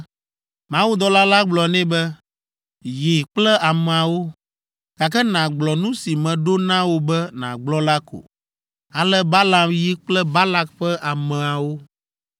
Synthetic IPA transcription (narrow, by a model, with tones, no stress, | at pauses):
mã˦wu˦d̪ɔ˦la˦la˦ɡ͡blɔ˨nɛ̃˦bɛ˦ | ji˨k͡plɛ˦a˨mɛ̃˨a˨wo˦ | ka˨kɛ˦nã˨ɡ͡blɔ˨nũ˦si˨mɛ̃˨ɖo˦nã˦wo˦bɛ˦nã̰˨ɡ͡blɔ˦la˦ko̰˨ | a˨lɛ˦ba˦la˨mji˦k͡plɛ˦ba˦la˦kɸɛ˦ʔa˨mɛ̃˨a˨wo˦